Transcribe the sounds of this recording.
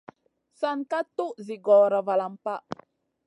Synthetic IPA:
saŋka˦t̪u˦ʔziɡɔɾava˨la˨mpa˦

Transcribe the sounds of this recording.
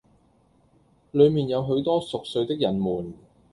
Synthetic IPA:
lɵ˨˧ɥmiː˨˩njɐ˨˧wɦɵ˨˥ɥt̪ɔː˥sʊ˨k̚sɵ˧ɥt̪ɪ˥k̚jɐ˨˩nmuː˨˩n

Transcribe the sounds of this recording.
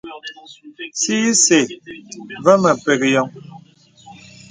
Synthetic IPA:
si˦se˨ | və˦mə˨pe˨kjɔ˨ŋ

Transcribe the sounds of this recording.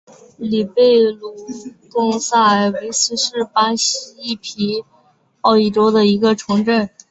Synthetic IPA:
li˨˩pe˥˩ɪlu˨˩t̪ʊ˥˧ŋsa˥˩˨we˧˥ɪsɹ̩˥ʂɻ̩˥˩pa˥ɕii˥i˥˩pʰi˧˥ | ɑ˥˩ʊi˥˩ʈ͡ʂo˥ʊd̪ə˨i˧˥ɡə˧ʈ͡ʂʰɤ˧˥ŋʈ͡ʂə˥˩n

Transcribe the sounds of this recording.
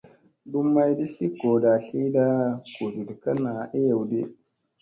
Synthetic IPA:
du˦mːa˦jdi˦si˦ko˨da˨ɬi˦da˦ku˨du˨dka˦na˨ʔi˦ja˨wdḭ˦

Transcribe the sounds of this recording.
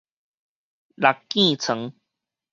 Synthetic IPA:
la˨˩kkːĩ˥˧˨t͡sʰə˨˧˦ŋ

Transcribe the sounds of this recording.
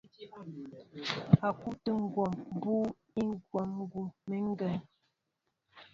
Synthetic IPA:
a˨ku˦ʔtə˦ŋ̩˦ɡwɔ˨mbuː˦ | i˦ŋ˦ɡwɔ˨mŋ˦ɡu˨mə˨ŋ̩˦ɡɛ˨n

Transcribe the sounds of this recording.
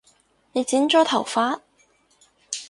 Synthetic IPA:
ne˨˧t͡siː˨˥nt͡ʃɔː˨˥t̪ʰɐ˨˩wfaː˥t̚

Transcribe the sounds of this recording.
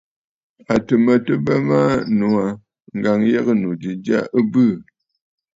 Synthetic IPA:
a˨tə˨mə˨tə˦bə˦ma˦nu˨a˨ | ŋ̩˨ɡa˨ŋjɛ˦ɣə˦nu˨di˨d͡ʒa̰˦ʔə˦bɨ˦˨

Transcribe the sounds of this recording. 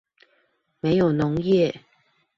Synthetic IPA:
me˧˥ɪjo˨˩ʊnʊ˨˧˥ŋjɛ˥˨

